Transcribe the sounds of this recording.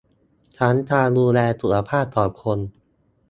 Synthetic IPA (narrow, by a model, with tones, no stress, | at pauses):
t͡ɕʰa˦˥nt̪ʰaː˧duː˧lɛː˧t̪ʰu˨˩la˧pʰaː˥˩p̚t̪ɔː˨˩kʰo˧n